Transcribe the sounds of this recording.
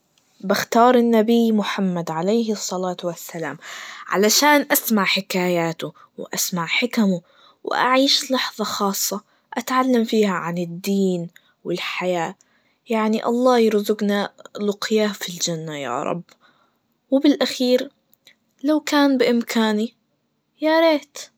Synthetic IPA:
bɪxt̪ɑːɾˤɪnːabiːmʊħamːad̪ʕalejɦsˤːɑlaːt̪wasːala̰ːmʕa̰laʃaːnʔasmaʕħɪkaːjaːt̪ʊ | wʔa̰smaʕħɪkmʊ | wɪ̰ʔa̰ʕiːʃlɑħðˤɑxɑːsˤːɑ | ʔat̪ʕalːamfiːhaʕanɪd̪ːiːn | wɪlħajaː | jaʕniʔɑ̰lˤːɑːjɾzʊɡnalʊqjaːfild͡ʒanːaja̰ːɾˤɑ̰bː | wɪbɪlʔaxiːɾ | lawkaːnbɪʔɪmkʰaːni | jaɾeːt̪

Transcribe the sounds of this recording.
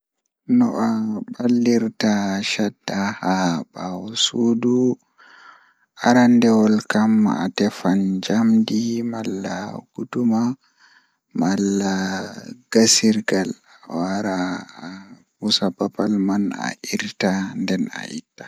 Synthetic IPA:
nɔʔabalːiɾtaʃadahabawɔsudu | ʔaɾandɛwɔlkama̰tɛfand͡ʒamdimalːaɡ̥uduma | malːa | ɡ̥asiɾɡal | ɔaɾa | husabapalmana̰ʔiɾtandɛna̰ʔḭtːḁ

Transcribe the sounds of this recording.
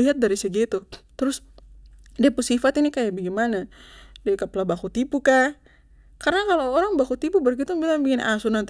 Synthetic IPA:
iɦat̪̚daɾisaɡit̪ut̪əɾʊs | dɛpusifat̪inikajabaɡimanadɛkaplabakut̪ipuka | kaɾnakaloːɾaŋbakut̪ipubərkit̪uŋbilaŋbiŋɪnasunant̪

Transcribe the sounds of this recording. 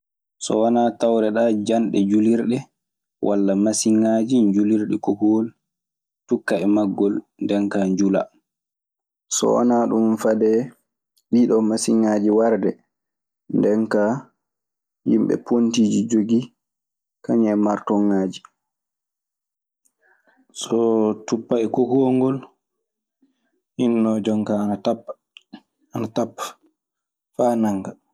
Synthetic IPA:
sɔ̰wanatawɾɛɗad͡ʒanɗɛd͡ʒuliɾɗɛ | wʔa̰lːamasiŋːad͡ʒiɲd͡ʒuliɾɗɛkɔhɔl | tukːaɛmaɡːɔl | ndɛŋkaɲd͡ʒula̰ | sɔ̰wa̰naɗumfadɛ | ɓiɗɔmasiŋːaːd͡ʒiwaɾdɛ | ndɛnka | jḭmɓɛ̰pontiːd͡ʒid͡ʒoɡi | kaɲɛmaɾtɔŋːaːd͡ʒi | sɔtupːaɛkohuoŋɡɔl | hinːɔd͡ʒɔŋkanatapː | anatapː | faːnaŋɡa

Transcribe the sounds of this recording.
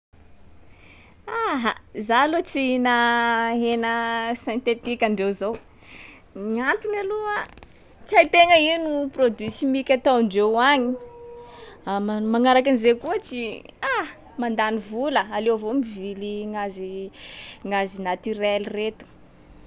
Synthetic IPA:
aɦazalot͡sinaɦenəsɛ̃nt̪et̪ikʲaɳɖ͡ʐewzow | miant̪unaluə | t͡sajt̪eŋəinuprod̪ysimikʲat̪awɳɖ͡ʐewaɲi | amaŋaɾakanizekuət͡ʃia | mand̪anivuləalewavomiviliŋazi | ŋazinat̪yɾɛliret̪u̥

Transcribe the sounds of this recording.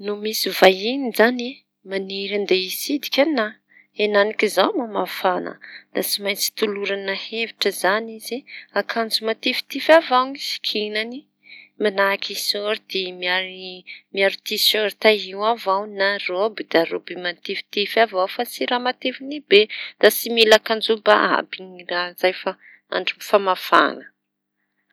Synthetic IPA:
numisivajinizane | maniɾand̪eisid̪i̥kʲanna | enanikʲizawmamafanə̰d̪̥at͡simajt͡si̥t̪uluɾanaheviʈ͡ʂəzaniziakʰand͡zumat̪efi̥t̪ifavawŋisi̥kʰinani | manakʰisoɾid̪̥emiaɾimiaɾit̪isoɾt̪aiwavawnarobid̪̥aɾobimat̪efi̥t̪efavawfat͡siɾamat̪efinibed̪̥asimilakand͡zuba̰ʔa̰biŋiraz̥ajfa | a̰ɳɖ͡ʐumfamafa̰nə̥

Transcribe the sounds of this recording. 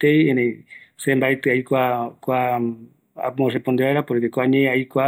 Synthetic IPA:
t̪ejenesembajt̪ɨajkʷakʷa | a̰mõrepond̪eaeɾapoɾkekʷaɲẽaikʷa

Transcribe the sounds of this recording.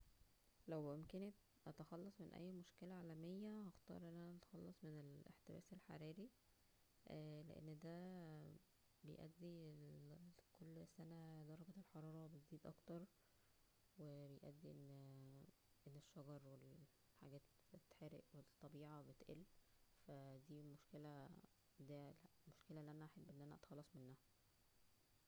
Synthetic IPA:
læwʔomkene | ʔɑt̪ɑxɑlːɑsˤmenʔæ̰jːmoʃkelæʕaːlæmejːæhɑxt̪ɑ̰ːɾˤʔenːʔænæʔɑt̪ɑ̥xɑlːɑsˤmenelḛħt̪ebæ̰ːselħa̰ɾiːɾi | ʔlḛʔḛnːd̪æ | bejʔæ̰d̪ːi | kolːsænæd̪ˤɑɾˤɑɡɑlħɑɾˤɑːɾˤɑbet̪ziːd̪ʔɑ̰kt̪ɑɾˤ | webejʔæ̰d̪ːiʔenː | ʔenːeʃːɑɡɑɾˤwel | ħaɡæːt̪ | et̪ħeɾeʔwet̪ˤːɑbiːʕɑbet̪ʔelfæd̪iːlmoʃkelæ | d̪æ | moʃkelæʔelːiʔænæʔaħebːʔenːʔænæʔæt̪xɑlːɑsˤmenːæhæ

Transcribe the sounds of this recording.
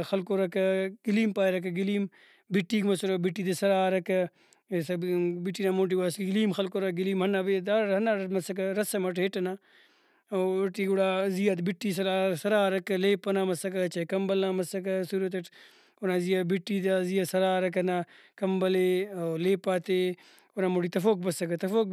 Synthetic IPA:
xɐlkoɾɐkɐɡ̥iliːmpaːjɾɐkɐɡiliːm | biʈːiːkmɐsoɾobiʈːiːt̪esɐɾaːɾɐkɐ | sɐbiʈːinamoːʈ̬iaːsɡiliːmxɐlkoːɾɐɡiliːmɦɐnabeːd̪aːɾɦɐnaɾɐmɐsɐkɐɾɐsɐmɐʈɦeʈɐna | oʈiːɡuɽaːzijat̪̬biʈːiːs̬ɐɾaːsɐɾaːɾɐkɐleːpːɐnaːmɐsɐkɐt͡ʃɐkɐmbɐlaːmɐsɐk̬ɐsuːɾɐt̪̬eʈ | onaːzijabiʈːit̪azijasɐɾaːɾɐkɐna | kɐmbɐleoleːpaːt̪e | oɾaːmoʈiːt̪ɐfoːk̚bɐsɐkɐt̪ɐfoːk

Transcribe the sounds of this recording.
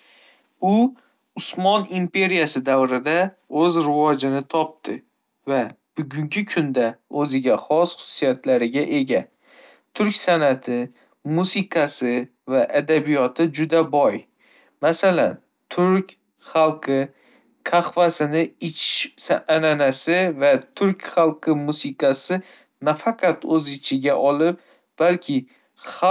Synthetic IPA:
ʊ | ʊsmɒnimpʰe̞ɾijasɪd̪avɾɪd̪a | ɵzɾɪvɒd͡ʒɪnɪt̪ʰɒp̚t̪ʰɪ | vab̥ʊɡʲʊŋɡʲɪkʰʊnd̪aɵzɪɡʲaχɒsχʊ̥sʊ̥sijat̪ʰlaɾɪɡʲaʔe̞ɡʲa | t̪ʰʊɾkʲsanat̪ʰɪ | musɪqʰɑsɪ | vaʔad̪abijɒt̪ʰɪd͡ʒʊd̪abɒj | masala̰n | t̪ʰʊɾkʲ | χɑlˠqʰɨ | kʰɑχvasɪnɪɪt͡ʃʰʃsaananasɪvat̪ʰʊɾkʲχɑlˠqʰɨmusɪqʰɑsɪ | nafɑqʰɑt̪ɵzɪt͡ʃʰɪɡʲaʔɒlɪp̚ | b̥alkʲʰɪ | χ

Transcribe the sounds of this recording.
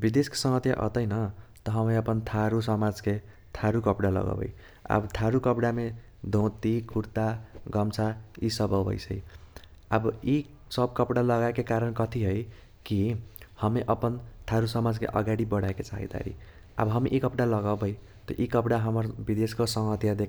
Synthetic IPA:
bid̪esko̥sʌŋɡʌt̪ja̰ʔʌ̰t̪ʌjnʌt̪ʌɦʌmeʌpʌnt̪ʰaɾusʌmad͡zke | t̪ʰaɾukʌpɽalʌ̰ɡa̰bʌ̰j | ʌ̰bʌt̪ʰaɾukʌpɽame | d̪ʱõt̪ikʰuɾt̪aɡʌmt͡sʰaisʌbʌbʌ̰jt͡sʰʌj | ʌbʌi | sʌbkʌpɽalʌɡaekekaɾʌnkʌt̪ʰiɦʌj | kihʌmeʔʌpʌnt̪ʰaɾusʌmad͡zkḛʔʌ̰ɡaɽibʌɽaekot͡sa̰ɦḭd̪a̰ɾḭ | ʌ̰bʌɦʌmiʔikʌpɽalʌɡawbʌj | t̪ʌʔikʌpɽaɦʌmʌrbid̪eskosʌŋɦʌt̪jad̪ek

